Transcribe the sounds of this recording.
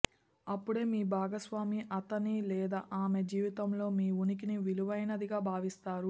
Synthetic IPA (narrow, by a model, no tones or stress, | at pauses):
ɐpːuɽeːmiːbʱaːɡɐsʋaːmiʔɐt̪ɐnilɛːd̪a̰ːʔaːmed͡ʒiːʋit̪ɐmlo̞ːmiːunik̬iniʋiluʋɐjnɐd̪iɡaːbʱaːʋist̪aːɾu